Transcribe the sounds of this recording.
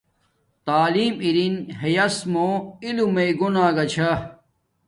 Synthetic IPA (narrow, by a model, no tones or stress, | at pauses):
t̪aːliːmiɾinɦejɐsmoːilumeiɡonaːɡɐt͡ɕʰa